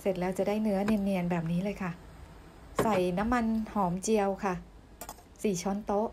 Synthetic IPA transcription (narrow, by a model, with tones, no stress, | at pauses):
se˨˩t̪̚lɛː˦˥wt͡ɕa˨˩daː˥˩jnɯ˦˥ɐne˧mni˧ənbɛː˨˩p̚niː˦˥lɤː˧jkʰa˥˩ | sa˨˩jna˦˥mːa˧nhɔː˩˦mt͡ɕi˧əwkʰa˥˩ | siː˩˦t͡ɕʰɔː˧˥nt̪o˦˥ʔ